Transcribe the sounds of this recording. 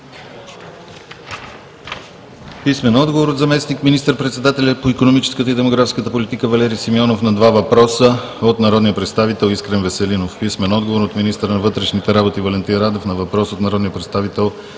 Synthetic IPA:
pismɛnɔd̪ɡovoɾot̪zɐmɛsnikminist̪əɾpɾɛt̪sɛd̪at̪ɛlʲɐpoikonomit͡ʃɛ̥skət̪əid̪ɛmoɡɾafskət̪əpolit̪ikəvɐlɛɾisimɔnofnɐd̪vavɐpɾɔsə | ot̪nɐɾɔd̪nijəpɾɛt̪st̪avit̪ɛlˠiskɾɛnvɛsɛlinofpismɛnɔd̪ɡovoɾot̪minist̪əɾənɐvɤt̪ɾɛʃnit̪ɛɾabot̪ivɐlɛnt̪inɾad̪ɛfnɐvɐpɾɔsot̪nɐɾɔd̪nijəpɾɛt̪st̪avit̪ɛlˠ

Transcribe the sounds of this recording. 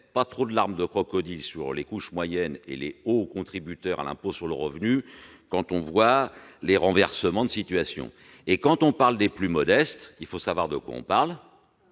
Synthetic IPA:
pat̪χod̪əlaʁmd̪əkχɔkɔd̪ilsyʁlekuʃmwajɛnḛleokɔ̃t̪χibyt̪œʁa̰lɛ̰̃posyʁləʁəvny | kɑ̃t̪ɔ̃vwaleʁɑ̃vɛʁsəmɑ̃d̪əsit̪ɥasjɔ̰̃ | ekɑ̃t̪ɔ̃paʁld̪eplymɔd̪ɛst̪ilfosavwaʁd̪əkwa̰ɔ̰̃paʁl

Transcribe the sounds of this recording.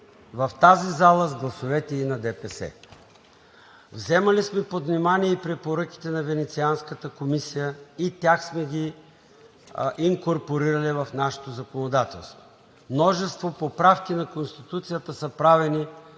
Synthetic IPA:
vɐft̪azizalˠəzɡlˠɐsovɛt̪ɛinɐd̪ɛpɛsɛ̰ | vzɛmɐlismɛpod̪vnimaniɛipɾɛpoɾɤkʲi̥t̪ɛnɐvɛnɛt̪sianskət̪əkomisijəit̪ʲjaxsmɛɡʲi | ʔiŋkoɾpoɾiɾɐlivɐfnaʃɛ̥t̪ozɐkonod̪at̪ɛ̰lˠst̪vo̥ | mnɔʒɛst̪vopopɾafkʲinɐkonst̪it̪ut̪sijət̪əsəpɾavɛni

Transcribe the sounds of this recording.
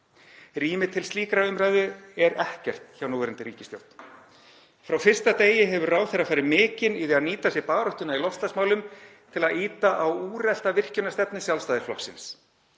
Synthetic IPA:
riːmɪt̪ʰɪlsiːkɾaʏmɾajðʏɛɾɛhcɛr̥t̪çawnuːvɛɾɪnt̪ɪɾiːcɪst̪jo̰wt̪n̥ | fɾawfɪr̥st̪at̪eːjɪɦɛvʏɾraːwθerːafaːjɾɪmɪːcɪniðɛaðniːt̪asjɛɾpaːɾɔht̪ʏnailɔfst̪asmaːwlʏm | t̪ʰɪlaðiːt̪aʔawuːrɛl̥t̪avɪr̥cʏnːast̪ɛpnɪsjalst̪aːðɪɾ̥flɔ̰hksɪ̰ns

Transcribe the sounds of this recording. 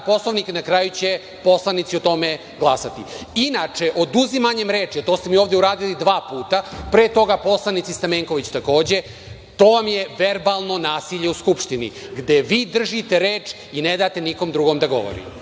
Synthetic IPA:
po̞slˠoʋniknakɾaːjut͡ɕe | po̞slˠanit̪siot̪o̞me | ɡlˠasat̪iinat͡ʂeʔod̪uzimaɲe̞mɾe̞ːt͡ʂiat̪oːst̪e̞mioːvd̪euɾaːd̪ilid̪ʋaːpuːt̪apɾeːt̪o̞ɡapo̞slˠanit̪sist̪ameŋkoʋit͡ɕt̪ako̞ːd͡ʑe̞ | t̪o̞ːʋamjeʋe̞ɾbaːlˠno̞naːsiʎeuskupʂt̪inḭɡd̪eʋiːd̪r̩ʒit̪e̞ɾeːt͡ʂ | ined̪aːt̪eniko̞md̪ɾuɡo̞md̪aɡo̞̰ʋo̰ɾḭ

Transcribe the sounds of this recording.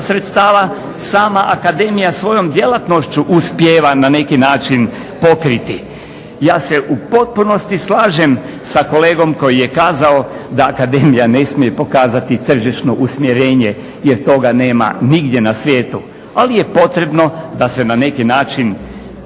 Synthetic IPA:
sɾet̪st̪aːʋa | saːmaʔakad̪e̞ːmijasʋo̞jo̞md̪je̞lat̪no̞ʃt͡ɕuʔuspjeːʋanane̞kinaːt͡ʃin | po̞kɾit̪i | jaːse̞ʔupo̞t̪̚puno̞st̪islaːʒe̞m | sako̞le̞ːɡo̞mko̞jije̞kaːzaod̪aːkad̪e̞ːmijane̞smije̞po̞kaːzat̪it̪r̩ʒiʃno̞ʔusmjeɾeːɲe̞ | jeɾt̪o̞ɡane̞ːma̰niɡd̪je̞nasʋje̞ːt̪u | alije̞po̞t̪ɾe̞bno̞d̪ase̞nane̞kinaːt͡ʃin

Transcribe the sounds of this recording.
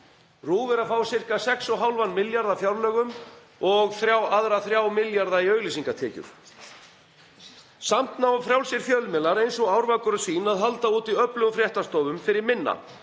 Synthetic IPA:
ruːvɛɾafaːwsɪr̥kasɛksɔɦawlvanːmɪljaɾðafjawɾlœːɣʏm | ɔɣθɾjaːwaðɾaθɾjaːwmɪljaɾðaiœːɥɣlisiŋkat̪ʰɛːcʏ̰ɾ̥ | sam̥t̪nawfɾjawlsɪɾ̥fjœðlʏmɛlːaɾejnsɔɣawɾvakʏɾʏsiːnaðɦalt̪auːt̪iœplœɣʏfɾjɛht̪ast̪ɔːvʏmfɪɾɪɾmɪnːa̰

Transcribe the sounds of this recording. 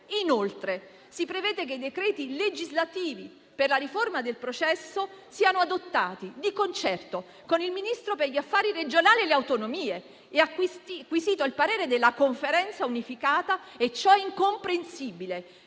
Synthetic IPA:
inolt̪ɾe | sipɾevɛːd̪ek̬eid̪ekɾɛːt̪iled͡ʒizlat̪iːvi | perlaɾiformad̪elpɾot͡ʃɛsːosiːanoad̪ot̪ːaːt̪id̪ikont͡ʃɛrt̪o | konilminist̪ɾoperʎiafːaːɾiɾed͡ʒonaːlieleawt̪onomiːe | eakːwist̪ikːwiziːt̪oilpaɾeːɾed̪elːakoɱfeɾɛnt̪saunifikaːt̪aet͡ʃːɔɛiŋkompɾensiːbile

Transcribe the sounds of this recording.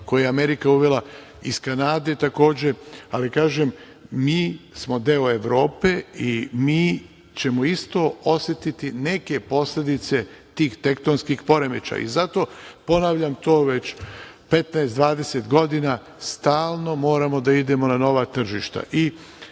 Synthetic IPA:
kojejeame̞ɾikauʋe̞la | iskanaːd̪et̪ako̞ːd͡ʑe̞alikaːʒe̞m | miːsmo̞d̪eoe̞ʋɾo̞ːpeimiː | t͡ɕe̞moist̪o̞o̞sjet̪it̪ine̞ke̞po̞sle̞d̪it̪se̞t̪iːxt̪e̞kt̪onskixpo̞ɾe̞met͡ʃa̰ḭzat̪o̞po̞naːʋʎamt̪o̞ːʋe̞t͡ɕpe̞t̪naest̪d̪ʋaːd̪e̞set̪ɡo̞d̪ina | st̪aːlˠno̞mo̞ːɾamo̞d̪aid̪e̞mo̞nano̞ʋat̪r̩ʒiʃt̪a̰ʔi

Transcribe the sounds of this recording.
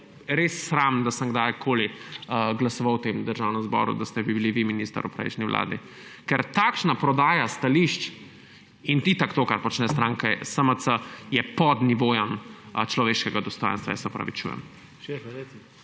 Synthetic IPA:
ɾesːɾamnd̪asəŋɡd̪ajkʰoːliəɡlɐsɔʋawt̪emd̪əɾʒawnɛmzbɔ̰ɾṵd̪ast̪ɛbibiliʋiminist̪a̰ɾupɾɛ̰jʃniʋlʔa̰ːd̪ḭ | kɛɾt̪akʃnapɾɔd̪aːjast̪aliʃt͡ʃ | int̪it̪akt̪okaɾpɔt͡ʃnɛst̪ɾaːŋkɛsəməsəjɛpɔd̪niʋojamt͡ʃlɔʋeːʃkɛɡad̪ɔst̪ɔjə̃nst̪ʋa̰jɛ̰sɛɔpɾɐ̰ʋit͡ʃṵjɛ̰m

